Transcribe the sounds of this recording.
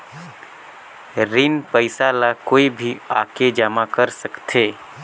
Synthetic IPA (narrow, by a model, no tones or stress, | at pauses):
ɾinpəɪsalakoːibʱia̰ːked͡ʒaːmakəɾsəkt̪ʰeː